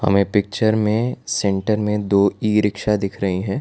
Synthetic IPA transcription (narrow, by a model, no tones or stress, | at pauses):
hɐ̰mẽpɪk̚t͡ʃəɾmẽsɛ̃ɳʈəɾmẽd̪oːiːɾɪkʃad̪ɪkʰɾɐɦiɦɛ̃ː